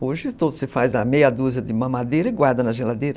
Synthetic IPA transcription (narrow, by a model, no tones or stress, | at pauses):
oʒɪt̪od̪ʊsɪfazɐmejɐd̪uzɐd̪ɪumɐ̃mad̪eɾɐɪɡwaɾd̪ɐnɐʒelad̪eɾɐ